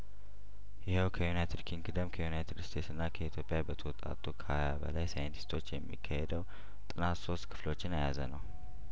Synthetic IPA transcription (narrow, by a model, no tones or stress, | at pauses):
jɪhewkʰəjunajt̪ʰɨd̪kʰiŋɡɨd̪əmkʰəjunajt̪ʰɨdst̪ʰe̞t̪sɨnːakʰəit̪ʰjopʼːjabət̪ʰəwɔt̪ʼa̰t̪ʼːukʰajabə̰lajsajənt̪ʰi̥st̪ʰo̞t͡ʃːjɛmːḭkʰːahed̪əw | t̪ʼɨnat̪so̞st̪kʰɨ̥flo̞t͡ʃːɪnajazə̰nəw